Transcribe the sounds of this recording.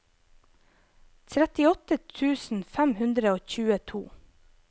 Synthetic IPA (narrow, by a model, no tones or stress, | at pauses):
t̪ʰɾɛt̪ɪɔt̪ət̪ʰʉːsn̩fæmhʉnd̪ɾəoːçʉːət̪ʰṵː